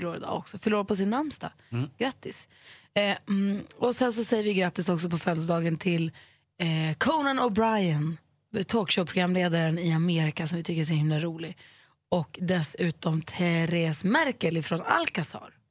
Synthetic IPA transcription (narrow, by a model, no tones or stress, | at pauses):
ɭuːɾɪd̪ɑ̰ːɔ̰ksɔfœɭuːɾapʰɔs̬ɪnːaɾmst̪a̰ | ɡ̥ɾat̪ːɪs | ɔsɛns̬ɔsɛjːəɾvɪɡɾat̪ːɪsɔksɔpɔfœld̪d̪ɑːɡənt̪ʰɪl | kʰɔːnanɔbɾajan | t̪ʰoːkʃɔpʰɾʊɡɾamːleːd̪aɾənɪameːɾɪkasɔmvɪt̪ʰʏkːəɾɛs̬ʊhɪmlaɾuːlɪ | ɔkd̪ɛsʉ̟ːt̪ɔmt̪ʰɛɾɛsmæɾkəlɪfɾɔna̰lkasɑ̰ːɾ